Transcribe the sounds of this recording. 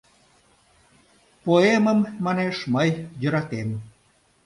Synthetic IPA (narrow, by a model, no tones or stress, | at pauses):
poeməmːɑneʃməjjə̆ɾɑt̪em